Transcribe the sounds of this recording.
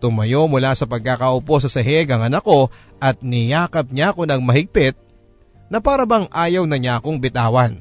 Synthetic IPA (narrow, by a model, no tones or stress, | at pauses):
t̪ʊmɐjo̞mʊlasɐpɐɡ̚kakɐʔʊpo̞s̬ɐsɐɦɛɡɐŋɐnɐko̞ | ʔɐt̪̚nɪjaːkɐp̚ɲaɐko̞nɐŋmɐhɪɡ̚pɪt̪̚ | nɐpaːɾɐbɐŋʔaːjɐwnɐɲaɐko̞ŋbɪt̪aːwɐn